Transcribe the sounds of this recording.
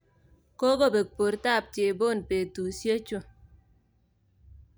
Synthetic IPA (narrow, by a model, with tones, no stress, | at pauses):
ko˦ɡo˦be˨k̚po˨ɾta˦˨p̚t͡ʃe˨bo˦˨npe˨tu˨sje˦t͡ʃu˦